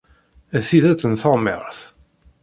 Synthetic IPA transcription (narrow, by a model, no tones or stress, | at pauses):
æθiðæt͡sːənθəˤmɛ̰ʁθ